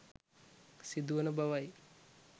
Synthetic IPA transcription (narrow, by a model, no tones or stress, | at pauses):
sid̪uʋənəbaʋaj